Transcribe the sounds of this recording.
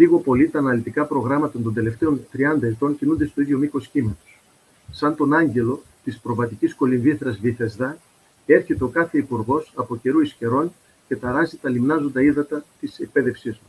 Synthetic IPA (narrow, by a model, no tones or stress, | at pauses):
liɣo̞po̞lit̪ɐːnɐlit̪ikɐpɾo̞ɣɾɐmɐt̪ɐnt̪o̞nd̪e̞le̞ft̪e̞o̞nt̪ɾiɐnd̪ɐet̪o̞ɲcinund̪e̞st̪oiðʝjo̞miko̞scimɐt̪o̥s | sɐnt̪o̞nɐɲɟe̞lo̞ | t̪ispɾo̞vɐt̪icisko̞linviθɾɐzviθezðɐ | e̞ɾçe̞t̪eo̞kɐθe̞ipuɾɣo̞sɐpo̞ce̞ɾuisce̞ɾo̞n | ce̞t̪ɐɾɐzit̪ɐlimnɐzo̞nd̪ɐiðɐt̪ɐt̪isek̚pe̞ðe̞fsizmu